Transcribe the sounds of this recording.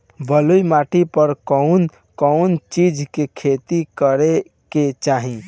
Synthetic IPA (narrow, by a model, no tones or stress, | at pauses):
bəlujmaʈipəɾkɔʊn | kəʊnt͡ʃid͡ʒkekʰet̪ikəɾe | ket͡ʃaɦĩ